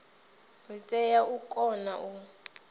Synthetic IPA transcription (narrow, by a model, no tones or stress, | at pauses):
ritʼɛjaʔukʼɔnaʔu